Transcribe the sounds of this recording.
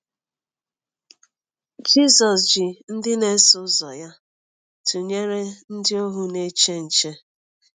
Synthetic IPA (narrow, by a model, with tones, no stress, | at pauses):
d͡ʒi˦sɔ˨sd͡ʒɪ˨n̩˦dɪ˦ne˦sʊ˦zɔ˨ja˦ | tu˨ɲe˦ɾe˦n̩˦dɪ˦o˦ɦʊ˦ne˦t͡ʃe˦n̩˨t͡ʃe˦